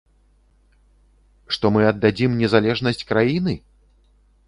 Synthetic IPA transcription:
ʂt̪ɔmɨɐd̪ːad͡zʲimnʲɛzalʲɛʐnɐsʲt͡sʲkɾajinɨ

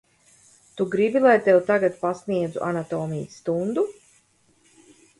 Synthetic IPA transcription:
t̪uɡɾibilˠajt̪ɛwt̪aɡat̪̚pasniɛd̪zuʔanat̪oːmijəsːt̪und̪u

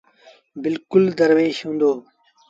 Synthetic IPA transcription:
bɪlkʊld̪əɾʋeːɕɦũːnd̪oː

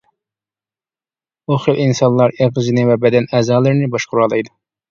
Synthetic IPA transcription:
oχɪlʔinsɑnlˠɑɾeʁɨzɨnɪvɛbɛd̪ɛnɛzɑːlˠɨɾɪnɪbɑʃqʊɾɑlˠɨjd̪u

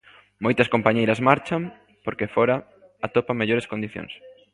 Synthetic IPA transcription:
mojt̪ɐskompaɲejɾɐzmaɾt͡ʃɐm | poɾkefoɾɐ | at̪opɐmeʎoɾɪskond̪iθjõ̰ŋs

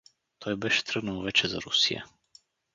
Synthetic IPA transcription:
t̪ʰɔjbɛʃɛ̥t̪ɾɤɡ̪nəlˠvɛt͡ʃɛzɐ̰ɾṵsijə̰

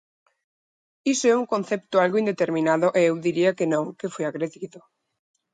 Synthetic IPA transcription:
isoɛuŋkõn̟θɛp̚t̪ʊalɣoind̪et̪eɾmĩnaðʊʔeewðiɾiɐkenõŋkefojaɣɾeðiðʊ

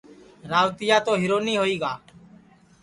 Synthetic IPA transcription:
ɾaːʋt̪ɪjaːt̪oːɦiːɾoːniːɦoːiːɡaː

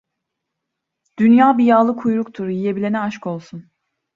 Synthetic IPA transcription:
d̪̥ynjaːbijaːlˠɯkʰujɾukt̪ʰuɾjije̞bilʲenɛaʃko̞lˠsun

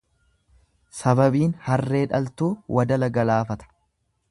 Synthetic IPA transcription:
sɐbɐbiːnhɐrːe̞ːᶑɐlt̪uːwʔɐd̪ɐlɐɡɐlaːfɐt̪ɐ̥

